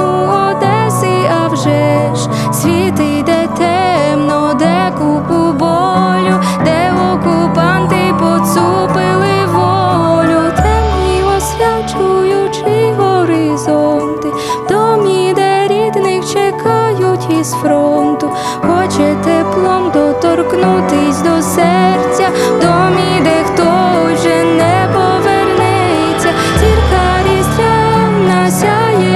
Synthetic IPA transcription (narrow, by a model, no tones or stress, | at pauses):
u | ɔd̪ɛsɪɐwʒɛ | ʃ | sʲʋʲit̪ɪd̪ɛt̪ɛ | mnɔd̪ɛ | kʊpʊbɔ | lʲʊ | d̪ɛɔkʊpɑnt̪ɪpɔsupɪlˠɪʋɔlʲʊt̪ɛmnʲiɔsʲʋʲjat͡ʃujʊt͡ʃɪɦɔɾɪzɔnt̪ɪ | d̪̥ɔmʲid̪ɛɾʲid̪nɪxt͡ʃɛkaɑjʊtʲizfɾɔnt̪ʊ | xɔt͡ʃɛt̪ɛplˠɔmd̪ɔt̪ɔrknut̪ɪsʲd̪ɔsɛrt͡sʲɐd̪ɔmʲid̪ɛxt̪ɔ | ʒɛnɛ | pɔʋɛrnɛ | jet͡sʲːa | t͡sʲirkɑ | ɾʲislʲa | wnasʲa | jɛ